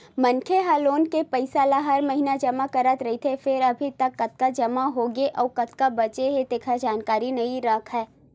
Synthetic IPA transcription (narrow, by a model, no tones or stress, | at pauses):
mɐ̃nkʰeɦaːloːnkepɐɪsaːlaɦɐɾmɐɦinad͡ʒɐmakɐɾət̪ɾɐɦit̪ʰefɪɾɐbʱit̪ɐkːɐt̪̚kad͡ʒɐmaɦoɡeʔɔːkɐt̪kabɐt͡ʃeɦet̪eːkʰad͡ʒaːnkaːɾinɐĩɾɐkʰɦɛː